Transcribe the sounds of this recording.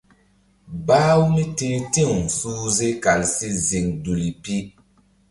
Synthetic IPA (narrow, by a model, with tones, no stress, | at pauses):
baː˦wu˦mi˦teː˦ti˦˨wsuː˦ze˦ka˨lsi˦zi˨ŋdu˨li˨pi˦